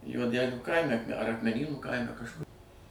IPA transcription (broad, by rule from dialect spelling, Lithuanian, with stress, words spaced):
juɔˈdʲæːlʲuː ˈkɐɪmʲɛ ɐr ɐkmʲɛˈnʲiːnuː ˈkɐɪmʲɛ kɐʃˈkʊr